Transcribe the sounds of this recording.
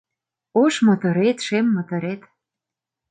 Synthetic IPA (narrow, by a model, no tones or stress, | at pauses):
oʃmɤ̆t̪ŏɾet̪ʃemːɤ̆t̪ɤ̆ɾet̪